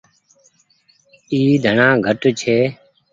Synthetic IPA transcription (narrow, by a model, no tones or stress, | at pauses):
iːd̪ʱəɳãːɡʱəʈt͡ʃʰeː